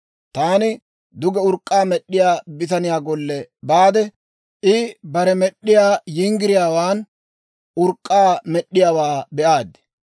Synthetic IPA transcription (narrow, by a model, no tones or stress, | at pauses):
t̪aːnɪ | d̪ʊɡɛʊɾkʼːaːmɛɗːɪjaːbɪt̪ɐnɪjaːɡɔlːɛbaːd̪ɛ | ʔɪbɐɾɛmɛɗːɪjaːjɪŋɡɪɾɪjaːwaːn | ʔʊɾkʼːaːmɛɗːɪjaːwaːbɛʔaːd̪ɪ̥